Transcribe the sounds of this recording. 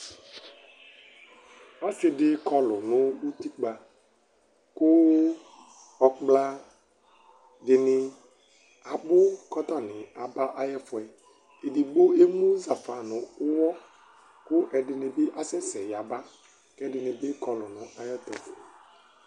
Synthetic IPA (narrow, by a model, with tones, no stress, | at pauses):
ɔ˦sɪ˦dɪ˦kɔ˦lʊ˨nʊ̃˦u˦t̪i˦k͡pa˨ | kʊ˦ | ɔ˨k͡pla˦ | dɪ˨nɪ˨ | a˨bʊ˦kɔ˦t̪ɔ˦˨nɪ˨a˨ba˦ʔa˦jɛ˦fʊ˨ɛ˨ | e˨di˨ɡ͡bo˦e˦mũ˦za˨fa˨nʊ̃˨ʊ˦wɔ˦ | kʊ˦ʔɛ˨dɪ˨nɪ˨be˦ʔa˦sɛ˦sɛ˨ja˨ba˦ | kɛ˦dɪ˨nɪ˨be˦kɔ˨lʊ˨nʊ̃˨ʔa˨jɛ˦t̪ɔ˨